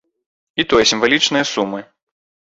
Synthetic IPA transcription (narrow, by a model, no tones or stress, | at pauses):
it̪ɔjsʲimvalʲit͡ʂnɨjɐsumːɨ